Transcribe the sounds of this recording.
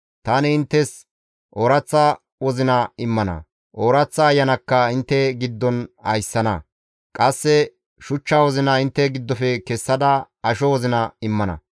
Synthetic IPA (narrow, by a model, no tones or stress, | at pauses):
t̪ɐnɛɪnt̪ːɛs | ʔoɾɐt͡sːɐ | wɔzɪnɐɪmːɐnɐ̰ | ʔoːɾɐt͡sːɐːjːɐnɐkːɐɪnt̪ːɛɡɪd̪ːɔnɐ̰jsːɐnɐ̰ | kʼɐsːɛ | ʃʊt͡ʃːaːwɔzɪnɐɪnt̪ːɛɡɪd̪ːɔfɛkɛsːɐd̪ɐ | ɐʃɔwɔzɪnɐɪmːɐnɐ̰